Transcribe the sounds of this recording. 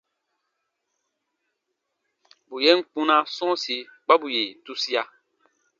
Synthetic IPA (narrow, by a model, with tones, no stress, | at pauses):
bu˨je˦ŋ˨k͡pũ˦na˦sɔ̃˦si˨˦k͡pa˦bu˨je˨tu˦si˦a˦